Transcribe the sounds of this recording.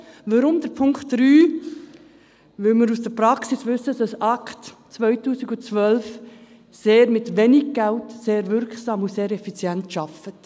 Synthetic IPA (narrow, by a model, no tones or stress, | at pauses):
ʋɑɾʊmd̥̪əɾpʰʊŋktːɾyː | ʋɪlməɾusd̥əɾpɾɑksisʋʏsːəsɑsɑktt͡svœʏtuːsɪɡut͡sʋœlf | seːɾmɪtʋenɪɡ̚ɡ̥æltseːɾʋɪɾksɑːmuseːɾɛfit͡sjɛntʃɑfət